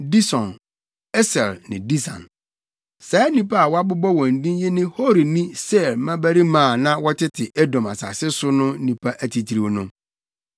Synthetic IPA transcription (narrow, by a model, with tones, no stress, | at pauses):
di˦sɔ̃˨n | ɛ˦sɛ˨lnɪ̰̃˨di˦sã̰˨n | sa˨˦nĩ˦pa˦a˨wɔ˦a˦bʊ˦bɔ˦wɔ̃˨n̩˨dĩ˦jɛ˦nɪ̃˦ho˦ɾi˨nĩ˦sɛ˦˨lmã˦bæ˦ɾi˦mãː˦˨nã˦wɔ˦tʰɪ˦tʰɪ˨ʔɛ˦dɔ̃˨ma˨sa̰ː˨sɪ˦sʊ˦nʊ̃˦nĩ˨pʰa˦ʔæ˨tʰi˨tʰi˨ɾi˦˨˦nʊ̃˦